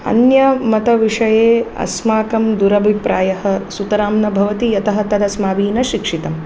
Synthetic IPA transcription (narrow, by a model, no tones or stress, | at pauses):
ɐ̰njɐmɐt̪ɐʋiʂɐjeːɐ̰smaːkɐmd̪uɾɐbʱipɾaːjɐɦɐsut̪ɐɾaːmnɐbʱɐʋɐt̪ijɐt̪ɐɦɐt̪ɐd̪ɐsmaːʋiːnɐʃikʂit̪ɐm